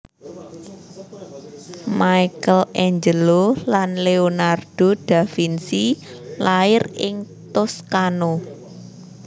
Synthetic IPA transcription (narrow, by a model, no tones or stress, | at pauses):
majkəlʔɛɲd͡ʒəlolanleonard̥oɖ̥a̤finsilaɪrɪ̰ŋt̪ʊskano